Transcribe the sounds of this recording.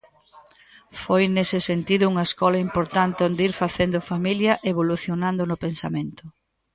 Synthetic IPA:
fojnesɪsent̪iðʊuŋɐeskɔlɐimpoɾt̪ant̪ɪond̪iɾfaθend̪ʊfamiljɐʔeβoluθjonãnd̪ʊnʊpensamẽnt̪ʊ

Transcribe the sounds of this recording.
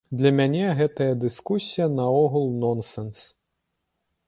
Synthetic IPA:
d̪lʲɐmʲanʲɛɣɛt̪ɐjɐd̪ɨskusʲijɐnɐɔɣulˠnɔnsɛns

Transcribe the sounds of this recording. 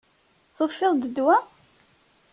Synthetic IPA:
θofːɪðˤd̪əd̪wa

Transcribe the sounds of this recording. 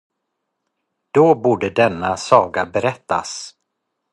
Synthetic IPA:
d̪̥obuːɖəd̪ɛnːasɑːɡabɛɾɛt̪ːa̰s

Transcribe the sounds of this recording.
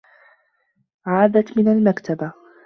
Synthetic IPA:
ʕaːd̪at̪mɪnalmakt̪ʰaba

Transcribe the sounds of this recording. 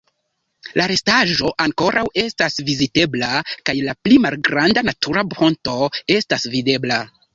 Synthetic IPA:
lʔaɾe̞staʒo̞ʔaŋko̞ɾʔawe̞stasvizite̞blakajlaplimalɡɾandanatʰuɾabo̞nto̞e̞stasvide̞bla

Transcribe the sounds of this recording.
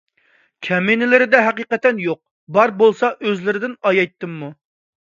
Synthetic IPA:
kʲʰɛmenɪlɪɾɪd̪ɛɦɛqiqɛt̪ːɛnjoq̚ | bɑɾbolˠsɑʔøzlɪɾɪd̪ɪnɑjɑjt̪ːɨmːu

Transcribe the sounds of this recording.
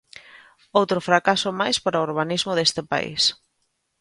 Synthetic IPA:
owt̪ɾʊfɾakasʊmajspaɾaoːɾβ̞anizmʊðest̪ɪpa̰ḭs

